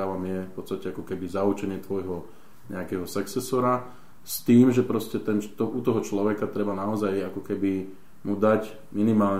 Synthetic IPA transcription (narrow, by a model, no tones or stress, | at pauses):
aʋamɪjɛfpɔt̪st̪acɛakɔkɛbizaut͡ʃɛɲɪɛt̪ʋɔjɦɔ | ɲɛ̰akɛɦɔsɛksɛsɔɾa | st̪iːmʒɛpɾɔscɛt̪ɛnt̪ɔʔut̪ɔɦɔt͡ʃlɔʋɛkat̪ɾɛbanaɔzajakɔkɛbi | mud̪ac | minimaːlɲ